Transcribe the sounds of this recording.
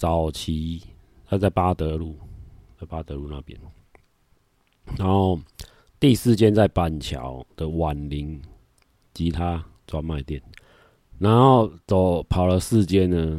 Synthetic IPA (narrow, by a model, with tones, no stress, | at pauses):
t͡sa˨˩ʊt͡ɕʰi˦ | a˥˧ɪt͡sa˥˩ɪpa˦t̪ə˧˦lu˥˨˩t͡sa˥˩ɪpa˦t̪ə˧˦lu˥˧nã̰˥˨˩pjɛ̰˦n | na˨˧˦nho˥˧ʊ | t̪i˥˧sɹ̩˥˨t͡ɕjɛ˦nt͡sa˥˩ɪpa˨˩nt͡ɕʰja̰˨˩ʊd̪̥ə˨wa˨˩nli˨˦ŋ | t͡ɕi˧˦t̪ʰa˦ | t͡swa˧mã˥˨ɪt̪jɛ˥˩nː | a˧˦nxo˥˨˩ʊt͡so˨˩ʊpʰɑ˨˩ʊlə˦sɹ̩˥˨t͡ɕjɛ˦nnə˨